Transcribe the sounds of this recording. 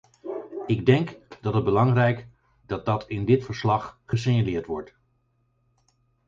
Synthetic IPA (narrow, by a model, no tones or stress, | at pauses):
ɪɡdɛŋkdɑtəd̚bəlɑŋrɛjk | dɑt̚dɑtʰɪndɪtfəɹslɑχχəs̬eɲalɪːɹtʋɔɹt